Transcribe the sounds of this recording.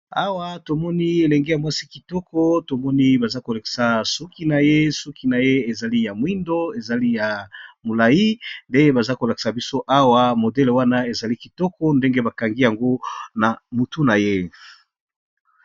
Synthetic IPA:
a˦wa˦to˨mɔ˦ni˦e˨lɛ˨ŋɡe˦ja˨mwa˦si˦ki˨tɔ˦kɔ˦to˨mɔ˦ni˦ba˨za˦ko˨la˨ki̥˨sa˨su˦ki˦na˨je˦su˦ki˨na˨je˦e˨za˨li˦ja˨mwi˦ndo˦e˨za˨li˦ja˨mo˨la˨ji˦nde˦ŋɡe˦ba˨za˦ko˨la˨ki̥˨sa˨bi˦so˦ʔa˦wa˦mo˨dɛ˦lwa˦na˦e˨za˨li˦ki˨tɔ˦kɔ˦nde˦ŋɡe˦ba˨ka˨ŋɡi˦ja˨ŋɡo˦na˨mu˨tu˦na˨je˦

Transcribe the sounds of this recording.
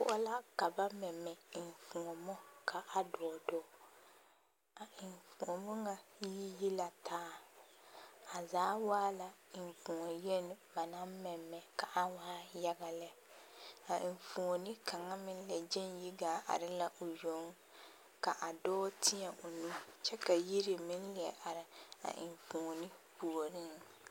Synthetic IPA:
pʊ̰˦ʔɔ˦la˦ka˨ba˦mɛ˨mːɛ˨ɪ˨ɱ˨fu˨ŋo˨mɔ˦kʰa˨ʔa˨dɔː˨dɔː˦ | a˨ɪ˨ɱfu˨ŋo˨mɔ˦ŋa˨ji˦ji˦la˨tʰaː˦ | a˨zaː˨˦waː˦la˨ | ɪ˨ɱ˨fu˨ŋo˨je˦n˨ba˨na˦m˦mɛ˨mːɛ˨ka˨ʔa˦waː˦ja˦ɡa˨lɛ˦ | a˨ʔɪ˨ɱfu˨ŋo˨nɪ˦kʰa˨ŋa˦mɪ̃˦n˦lɛ˨d͡ʒɛ˦nji˦ɡaː˨˦ʔa̰˨ɾɪ˦la˦ʔo˨jo˨˦ŋ˦ | ka˨ʔa˨dɔː˦tʰɪ˦ɛ˨ʔo˨nũ˦t͡ʃɛ˦ka˨ji˦ɾɪ˨mɪ̃˦n˦lɪ˨ɛ˨ʔa˨ɾɪ˨a̰˨ʔɪ̰˨ɱfu˨ŋo˨nɪ˦pu˨o˨ɾɪ˦ŋ

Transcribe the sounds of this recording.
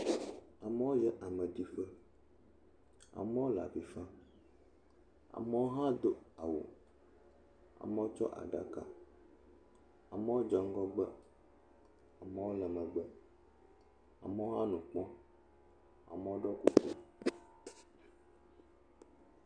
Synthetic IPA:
a˨mə˦wo˦jɛ˦ʔa˨mə̃˨d̪i˦fə˦ | a̰˨mə˦wo˦la̰˨vi˨fã˦ | a̰˨mə˦wo˦ɦã˦d̪o˦a˨wo̰˨ | a̰˨mə˦wo˦t͡ʃɔ̰˦ʔa̰˨ɖa̰˦ka˦ | a̰˨mə˦wo˦d͡ʒɔ˨ŋ˦ɡɔ˦ɡ͡bə˦ | a˨mə˦wo˦lə˨mə̃˨ɡ͡bə˦ | a̰˨mə˦wo˦ɦã˦nũ˨k͡pɔ̃˦ | a̰˨mə˦wo˦ɖɔ˦ku˦kṵ˨

